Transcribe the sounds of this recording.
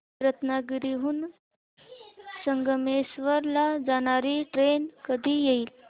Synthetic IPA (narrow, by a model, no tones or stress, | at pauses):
ɾət̪naɡɾiɦuːn | səŋɡəmesʋəɾlad͡zaɽ̃aɾiʈɾenkəd̪ʱiːjeiːl